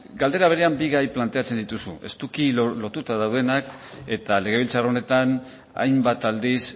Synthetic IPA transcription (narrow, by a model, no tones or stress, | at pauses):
ɡald̪e̞ɾaβ̞e̞ɾe̞ambiɣajplant̪e̞at͡se̞nd̪it̪usṵe̞̰st̪ukiolo̞t̪ut̪aðawðe̞nak | e̞t̪ale̞ɣ̞e̞βilt͡sarone̞t̪an | a̰jmbat̪ald̪is